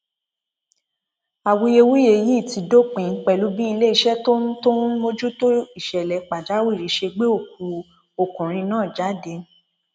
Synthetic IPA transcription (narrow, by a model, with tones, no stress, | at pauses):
a˨wu˧je˧wi˦e˧˨ji˦˨ti˨˧do˦k͡pẽ˨˦k͡pɛ˨lu˨˦bi˦i˧le˦i˧˨ʃɛ˦tõ˦to˦mo˧d͡ʒu˦to˦i˦˨ʃɛ˨lɛ˨˦k͡pa˨d͡ʒa˨˦wi˦˨ɾi˨˦ʃe˧ɡ͡be˦o˦˨k̚u˨˦ | o˨kũ˨ɾ̃ĩ˧nãː˦˨d͡ʒa˨˦de˧